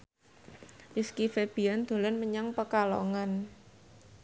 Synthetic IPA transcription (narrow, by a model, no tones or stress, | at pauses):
diskifeb̥iand̪̥o̤lənməɲaŋpəkalo̰ŋan